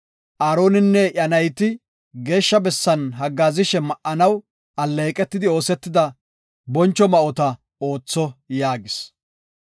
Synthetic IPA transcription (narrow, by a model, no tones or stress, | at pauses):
ʔaːɾo̞ːnɪnːɛʔɐnɐjt̪ɪ | ɡe̞ːʃːɐbɛsːɐnɦɐɡːaːzɪʃɛmɐʔʔɐnɐw | ɐlːejkʼɛt̪ːɪd̪ɪo̞ːsɛt̪ːɪd̪ɐ | bɔnt͡ʃːɔmɐʔɔt̪ɐ | o̞ːt͡sːɔjaːɡɪs